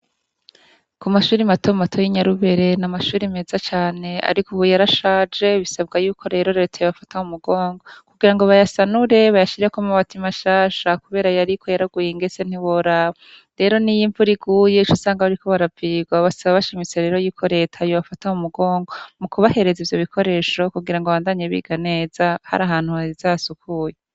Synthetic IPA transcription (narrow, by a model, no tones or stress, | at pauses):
kumaʃuːɾimatʰomatʰo̞jiɲaɾuβe̞ɾe̞namaʃuːɾime̞ːzat͡ʃaːne̞a̰ɾikuβujaɾaʃaːd͡ʒe̞βisab̚ɡajuːkʰo̞ɾe̞ːɾo̞ɾe̞ːtʰajoβafataumuɡo̞ːŋɡo̞kuɡiɾaŋɡo̞βajasanuɾe̞βajaʃiɾekomaβatimaʃaːʃakuβe̞ːɾajaɾikʰo̞jaɾaɡujiŋɡe̞se̞n̥iβoɾa | ɾe̞ːɾo̞nijiɱvuɾiɡuːje̞it͡ʃosaːŋɡaβaɾiko̞βaɾaviːɡwaβasaβaβaʃimit͡se̞ɾe̞ːɾo̞juːkʰo̞ɾe̞ːtʰajoβafataumuɡo̞ːŋɡo̞mukuβahe̞ɾe̞zivjo̞βikʰo̞ɾe̞ːʃo̞kuɡiɾaŋɡoβaːndaːɲeβḭɡane̞ːzaha̰ɾaɦaːn̥huaizaːsukʰuje